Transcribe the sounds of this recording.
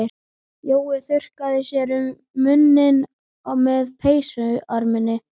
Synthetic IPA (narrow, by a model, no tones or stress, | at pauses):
ɾ | joːwɪθʏr̥kaðɪsjɛɾʏmː | ʏnːɪn | aɣmɛðpʰeːjsʏaɾmɪnɪ